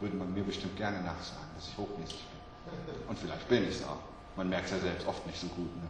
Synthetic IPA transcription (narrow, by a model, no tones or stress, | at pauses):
vʏɐdəmanmiːɐbəʃtɪmt̚ɡ̥ɛɐnənaːχz̥a̰ːɡŋ̩d̥asɪçhoːxmɛːsɪçb̥ɪn | ʔʊntfɪlaɪçt̚b̥ɪnɪçsa̰ʊx | manmɛɐk̚tsjaːzɛlpstʔɔftnɪçtz̥oːɡuːtnə